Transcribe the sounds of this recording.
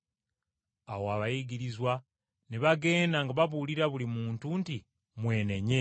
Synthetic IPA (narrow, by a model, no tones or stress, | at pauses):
awoaβajiɡiɾizwa | niβaɡe̞ːndaŋɡaβaβuliɾaβulimuːntunti | mwe̞ːne̞ɲe